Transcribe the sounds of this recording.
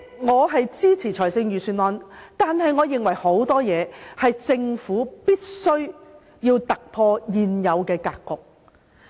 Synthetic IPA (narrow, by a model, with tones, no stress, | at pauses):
ŋɔː˨˧ɦɐ˨jt͡siː˥t͡sʰiː˨˩t͡ʃʰɔː˨˩sɪ˧ŋjyː˨syː˧nwɔː˨˧nt̪aː˨nɦɐ˨jŋɔː˨˧jɪ˨ŋwɐ˨˩jho˨˥wt̪ɔː˥jɛː˨˧hɐ˨jt͡sɪ˧ŋfuː˨˥piː˥t̚sɵ˥ɥ | jiː˧wt̪ɐ˨k̚pʰɔː˧jiː˨njɐ˨˧wkɛː˧kaː˧kːʊ˨k̚